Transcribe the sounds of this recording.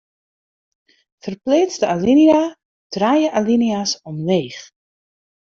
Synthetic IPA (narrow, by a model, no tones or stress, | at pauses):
fərpleːt͡sdəalinia | d̥raːjəʔaliniasɔmleːχ